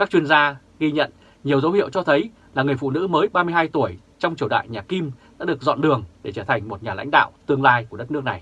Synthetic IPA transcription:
kaː˦˥k̚t͡ɕwi˧ənzaː˧ | ɣi˧ɲə̰˧˨n | ɲi˨˩əwzə˨˦whḭ˧˨əwt͡ɕɔ˧t̪ʰə˨˦j | laː˨˩ŋɨ˨˩əjfṵ˧˨nɨ̰˧˥məː˨˦jɓaː˧mɨ˧əjɦaː˧jt̪u˧˩əj | t͡ɕɔ˧wŋ͡mt͡ɕi˧˩wɗa̰ː˧˨jɲaː˨˩ki˧mɗa̰ː˧˥ɗɨ˨˩ək̚zɔ̰˧˨nɗɨ˨˩əŋɗe˧˩t͡ɕəː˧˩t̪ʰa˨˩jŋ̟mo˨˩t̚ɲaː˨˩la̰˧˥jŋ̟ɗa̰ː˧˨wt̪ɨ˧əŋlaː˧jku˧˩əɗə˦˥t̚nɨ˦˥əkna˨˩j

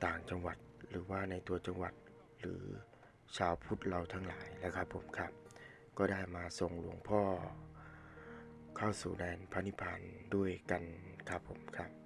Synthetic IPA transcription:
t̪aː˨˩ŋt͡ɕa˧ŋwa˨˩t̪̚ɾɯː˩˦waː˥˩na˧jt̪u˧ɐt͡ɕa˧ŋwa˨˩t̪̚ | ɾɯː˩˦ | t͡ɕʰaː˧wpʰu˦˥t̪̚ɾa˧wt̪ʰa˦˥ŋlaː˩˦jlɛː˦˥˩wkʰa˦˥pʰːo˩˦mkʰa˦˥p̚ | kɔː˥˩daː˥˩jmaː˧so˨˩ŋlu˩˦əŋpʰɔː˥˩ | kʰa˥˩wsuː˨˩dɛː˧npʰa˧˥ni˦˥pʰaː˧ndu˥˩əjka˧n | kʰa˦˥pʰːo˨˩˦mkʰa˦˥p̚

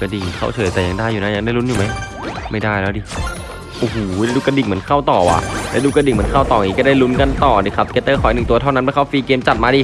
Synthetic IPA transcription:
ka˧di˨˩ŋkʰa̰˥˩wt͡ɕʰɤː˨˦jt̪ɛː˨˩ja˨˧˦ŋdaː˥˩jːuː˨˩na˦˥ja˧ŋdaː˥˩jlu˦˥njuː˨˩ma˦˥j | ma˥˩jdaː˥˩jlɛː˦˥diː˧˩ | ʔoː˨˧˩hoː˩˦la˧˥duː˧ka˧di˨˩ŋmɯ˩˦ənkʰa˥˩wt̪ɔː˨˩wa̰ː˨˩lɛː˦˥duː˧ka˧di˨˩ŋmɯ˩˦ənkʰa˥˩wt̪ɔː˨˩ŋiː˦kɔː˥˩daː˥˩jlu˦˥nka˧nt̪ɔː˨˩diː˧˩kʰa˦˥p̚kʰeː˧˥t̪ːɤː˥˩kʰɔː˨˩˦nɯ˨˩ŋt̪u˧ɐa˥˩wna˦˥nbʰaː˧˩kʰa˧˥˩fiː˧keː˧mt͡ɕa˨˩t̪̚maː˧diː˧

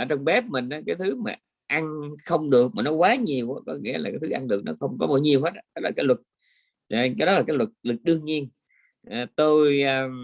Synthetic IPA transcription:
ʔəː˧˩t͡ɕɔ˧wŋ͡mɓɛ˦˥p̚mï˨˩ŋ̟ʔaː˨˦kaː˨˦jt̪ʰɨ˨˦maː˨˩ | ʔa˧nxə˧wŋ͡mɗɨ˨˩ək̚maː˨˩nɔ˨˦kwaː˨˦ɲi˨˩əwʔaː˨˦kɔ˨˦ŋḭ˧˥əlaː˨˩kaː˨˦jt̪ʰɨ˨˦ʔa˧nɗɨ˨˩ək̚nɔ˨˦xə˧wŋ͡mkɔ˨˦ɓaː˧˩˦jɲi˨˩əwhe˦˥t̚ːkaː˦˥laː˨˩aː˨˦jlwə˨˩t̚ː | kaː˨˦ɗɔ˨˦laː˨˩kaː˨˦jlwə˨˩t̚lwɨ˨˩t̚ɗɨ˧əŋɲi˧ən | ʔaː˨˩t̪o˧jː

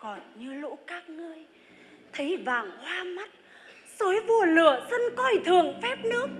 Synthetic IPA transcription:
kɔ˨˩nɲɨ˧lo̰˧˥kaː˦˥k̚ŋɨ˧əj | t̪ʰə˨˦jvaː˨˩ŋhwaː˧ma˦˥t̚ | so˨˦jvu˧˩əlɨ̰˧˨əsə˧nkɔ˧jt̪ʰɨ˨˩əŋfɛ˦˥p̚nɨ˦˥ək̚

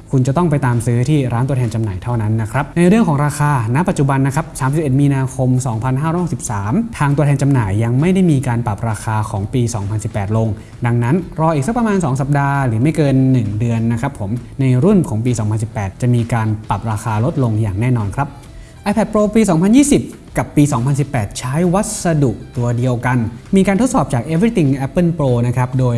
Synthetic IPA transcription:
kʰu˧nt͡ɕa˨˩t̪ɔ˥˩ŋpa˧jt̪aː˧msɯː˦˥t̪ʰiː˥˩ɾaː˦˥nt̪u˧ətʰɛː˧nt͡ɕa˧mnaː˨˩jt̪ʰa˥˩wna˦˥nːa˦˥kʰɾa˦˥p̚na˧jɾɯ˥˩əŋʰkʰɔː˩˦ŋɾaː˧xaː˧na˦˥ʔpa˨˩t͡ɕu˨˩ba˧nːa˦˥kʰɾa˦˥p̚saː˩˦msi˨p̚ʔe˨˩t̪̚miː˧naː˧kʰo˧msɔː˩˦ŋpʰa˧nɦaː˥˩ɾɔ˦˥jho˨˩si˨˩p̚saː˩˦mt̪ʰaː˧ŋt̪u˧əɛː˧nt͡ɕa˧mnaː˨˩jːa˧ŋma˥˩jda˥˩jmiː˧kaː˧npa˨˩p̚ɾaː˧kʰaː˧kʰɔː˩˦ŋpiː˧sɔ̰ː˩˦ŋpʰa˧nsi˨˩pːɛː˨˩t̪̚lo˧ŋ | da˧ŋna˦˥nɾɔː˧ʔiː˨˩k̚skpɾa˧maː˧nsɔː˩˦ŋsa˨˩p̚daː˧ɾɯː˩˦ma˥˩jkɤː˧nːɯ˨˩ŋdɯ˧ənːa˦˥kʰɾa˦˥pʰːo˩˦mna˧jɾu˥˩nkʰɔː˩˦ŋpiː˧sɔː˩˦mpʰa˧nsi˨˩pːɛː˨˩t̪̚t͡ɕa˨˩miː˧kaː˧npa˨˩p̚ɾaː˧xaː˧lo˦˥t̪̚lo˧ŋjaː˨˩ŋnɛː˥˩nɔː˧nkʰɾa˦˥p̚ | ʔa˧jpʰɛ˨˩t̪̚pɾoː˧piː˧sɔː˩˦ŋpʰa˧njiː˥˩si˨˩p̚ | ka˨˩pːiː˧sɔː˩˦ŋpʰa˧ns̬i˨˩pːɛː˨˩t̪̚t͡ɕʰaː˦˥jwa˦˥t̪̚sa˧du˨˩ʔ̚t̪u˧ɐdi˧əwka˧nmiː˧kaː˧nt̪ʰo˦˥t̪̚sɔː˨˩p̚t͡ɕaː˨˩k̚ʔeː˧˥fʰɾi˦˥t̪i˨˩ŋʔɛ˦˥pːɯ˥˩npɾoː˧na˦˥kʰɾa˦˥p̚doː˧j

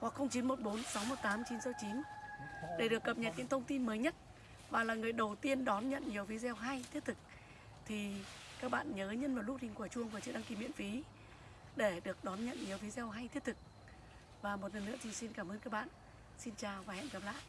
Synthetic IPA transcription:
kwk̚xə˧wŋ͡mt͡ɕi˨˦nmo˨˩t̚ɓo˨˦nsa˨˦wmo˨˩t̚t̪aː˨˦mt͡ɕi˨˦nsəː˧wt͡ɕi˨˦n | ɗe˧˩ɗɨ˨˩əkːə˨˩p̚ɲə˨˩t̚ɲḭ˧˥ŋt̪ʰə˧wŋ͡mt̪i˧nməː˨˦jɲə˦˥t̚ | vaː˨˩laː˨˩ŋɨ˨˩əjɗə˨˩wt̪i˧ənɗɔ˨˦nɲə̰˧˨nɲi˨˩əwfi˨˦zɛ˧wɦa˧jt̪ʰi˦˥ət̚t̪ɨ˨˩k̚ | t̪ʰi˨˩ | kaː˦˥k̚ɓa̰ː˧˨nɲəː˨˦ɲə˧nvaː˨˩wlu˥t̚hi˨˩ŋkwt͡ɕu˧əŋvaː˨˩t͡ɕɨ̰˧˨ɗa˧ŋki˧˩˦mḭ˧˨ənfi˨˦ | ɗe˧˩ɗɨ˨˩ək̚ɗɔ˨˦nɲə̰˧˨nɲi˨˩əwfzɛ˧wɦa˧jt̪ʰi˦˥ət̚t̪ɨ˨˩k̚ | vaː˨˩mo˨˩t̚lə˨˩nːɨ̰˧˥ət̪ʰi˨˩si˧nkaː˧˩mʔəː˧nkaː˦˥k̚ɓa̰ː˧˨n | si˧nt͡ɕaː˨˩wvaː˨˩hɛ̰˧˨nkə˨˩pla̰ː˧˨j

